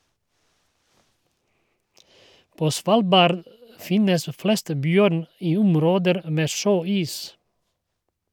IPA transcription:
ˈpoː ˈsʋɑːlˌbɑːɾd ˈfɪnəs ˈflɛst ˈbjœɾn ˈiː ˈʊmˌɾoːdəɾ ˈmeː ˈʃøːˌiːs

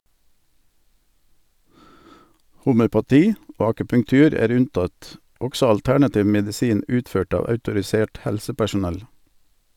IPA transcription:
hʊmœpɑˈtiː ˈoː ɑkʉpʉŋˈtʉːɾ ˈæːɾ ˈʉnˌtɑt ˈɔɡsɔ ɑlˈtæɳɑˌtiːʋ mɛdɪˈsiːn ˈʉːtˌføːʈ ˈɑː ɑʉtʊɾɪˈseːʈ ˈhɛlsəpæʃʊˌnɛl

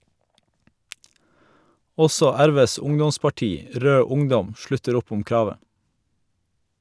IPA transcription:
ˈɔsɔ ˈæɾˌʋeːs ˈʊŋdɔspɑˌʈiː ˈɾøː ˈʊŋˌdɔm ˈʃɭʉtəɾ ˈʊp ˈʊm ˈkɾɑːʋə

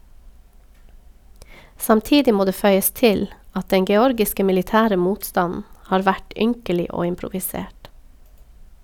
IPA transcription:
sɑmˈtiːdɪ ˈmoː ˈdeː ˈfœʏəs ˈtɪl ˈɑt ˈdɛŋ ɡɛˈɔɾɡɪskə mɪlɪˈtæːɾə ˈmuːtˌstɑnn̩ ˈhɑːɾ ˈʋæʈ ˈʏŋkəlɪ ˈoː ɪmpɾʊʋɪˈseːʈ

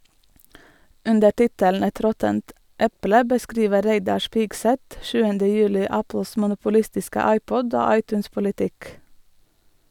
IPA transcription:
ˈʉndə ˈʈɪtələn ˈɛt ˈɾɔtənt ˈɛplə bəˈskɾiːʋə ˈɾæɪdɑɾ ˈʃpɪɡsɛt ˈʃʉːəndə ˈjʉːlɪ ˈæpl̩s mʊnʊpʊˈlɪstɪskə ˈɑɪˌpɔd ˈoː ˈɑɪˌtʉːns pʊlɪˈtɪk

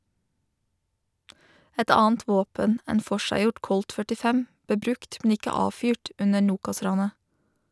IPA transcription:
ˈɛt ˈɑːənt ˈʋoːpən ˈeːn ˈfɔʃæɪˌjɔʈ ˈkɔlt fœʈɪˈfɛm ˈbeː ˈbɾʉkt mn̩ ˈɪkə ˈɑːfyːʈ ˈʉnə ˈɳuːkɑˌsɾɑːnə

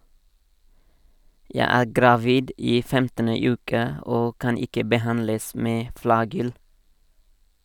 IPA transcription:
ˈjæɪ ˈæː ɡɾɑˈʋiːd ˈiː ˈfɛmtənə ˈʉːkə ˈoː ˈkɑn ˈɪkə bəˈhɑnləs ˈmeː ˈflɑːɡʏl

